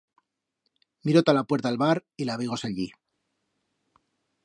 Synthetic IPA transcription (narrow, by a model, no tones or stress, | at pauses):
miɾot̪alapwe̞ɾt̪alβaɾilaβ̞iɣo̞seʎi